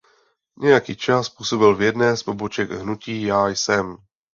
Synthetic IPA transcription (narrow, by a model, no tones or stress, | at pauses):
ɲʔɛjakiːt͡ʃaspuːso̞bɪlvjɛdnɛːspobot͡ʃɛɡɦnuciːjaːjsɛm